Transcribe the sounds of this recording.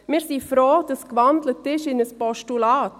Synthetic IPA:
mɪːɾsiːfɾoːd̪əskʋɑnd̪lət̪ːɪʃɪnəspɔʃtulɑːt̪

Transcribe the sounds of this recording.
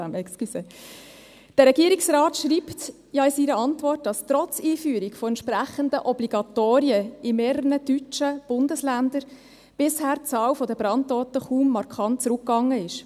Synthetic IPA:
æmɛkskyse | d̥əɾɛɡiːɾiksrɑːtʃɾiːpt | jɑɪsiɾəɑntvɔrt̚d̥ɑstɾɔt͡siːfyːəɾikfɔɛntʃpɾæχəndəʔɔbliɡ̥ɑtoːɾiəimeːrəənəd̥yt͡ʃəb̥ʊndəslændəɾ | b̥ɪshæːɾt͡sɑːwfɔdəb̥ɾɑntːɔːt̪əχuːmːɑɾkʰɑntt͡sɾʊkːɑŋːəɪʃ

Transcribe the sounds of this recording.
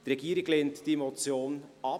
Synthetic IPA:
d̥iɾɛɡiːɾɪɡleːntd̥iemot͡sjoːnɑ

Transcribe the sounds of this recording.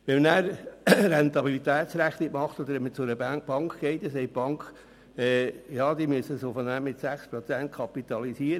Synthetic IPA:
ʋɛmnæːɾɾɛnt̪ɑbilit̪æːt̪sɾæχt̪ɪkmɑχt̪ɔd̪əɾʋɛmət͡sʊɾəb̥ɑŋkχɡ̥ɛɪt̪esɛɪb̥ɑŋk | ɛːjɑːd̪imyəsəsofənæːmɪt̪sæχspɾɔt͡sænt̪̚kʰɑpit̪ɑlisiəɾə

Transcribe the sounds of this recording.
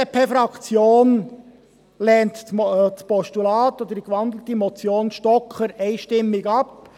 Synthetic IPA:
ɛpʰefɾɑkt͡sjoːn | lɛːntt͡spɔʃtulɑːt̪ɔd̪ədikʋɑndl̩t̪imɔt͡sjoːnʃtɔkχəɾɛɪʃtɪmːɪɡɑp

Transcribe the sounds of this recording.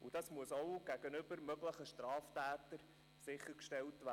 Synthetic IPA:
ud̥ɑsmuəsowɡ̥æɡ̥ənʏbəɾmœɡləχəʃtrɑːftæːt̪əɾ | sɪχːəɾkʃtɛltʋæ

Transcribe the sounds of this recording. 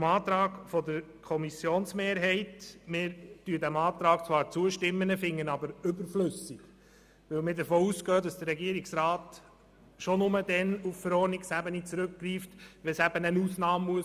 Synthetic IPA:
mɑːt̪ɾɑːɡfɔdəɾ | kʰɔmisjoːnsmeːɾɦɛɪtmɪːɾtyədæmɑːt̪ɾɑːkt͡sʋɑːɾt͡suəʃtɪmːənəfɪŋːənɑbəɾɵbəɾflɵsɪɡ̥ | ʋɵlmɪdəfɔːuːskœːd̥ɑsd̥əɾːɛɡiəɾɪksɾaːt | ʃɔnʊmədɛnuffəɾɔːrniksæbənit͡sɾʉkːriːftʋɛsæb̥ənənuːsnɑːmːuə

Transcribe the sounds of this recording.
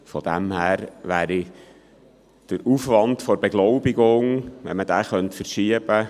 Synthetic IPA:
fɔd̥̪æmhæːɾʋæːɾi | d̥əɾufʋɑntfɔɾbeɡlɔʊbiɡʊŋʋɛ̰nmədæːχœntfəɾʃiəb̥ə

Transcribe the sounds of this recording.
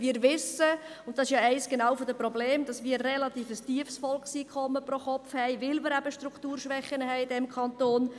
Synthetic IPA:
viːɾvɪsəʊnt̚dɑsɪʃjɑɛɪsɡ̥enɑːʊfodəprɔbleːmd̥ɑsmiːɾrɛlɑt̪iːfəstyəfsfɔlksiːkʰχɔmːəprɔχɔpfhɛɪʋɪlmɪɾæbəʃtɾuktuːɾʃʋɛχːənəɦɛɪɪdɛmkʰɑnt̪oːn

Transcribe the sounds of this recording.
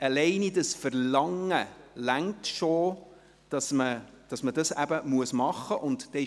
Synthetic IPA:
ɑlɛɪnidəsfəɾlɑŋːəlæŋtʃo | d̥ɑsmə | d̥ɑsmədɑsæbəmuəsmɑχːəʔʊntd̥ɛ

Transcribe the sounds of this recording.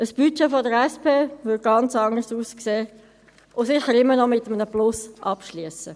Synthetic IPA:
əsb̥yt͡ʃefɔdəɾɛspeːvʏd̚ɡ̥ɑnt͡sɑŋəsuːskseː | ʔʊsɪχəɾɪmːənɔmɪt̪ːəmənəplʊsʔɑpʃliəsə

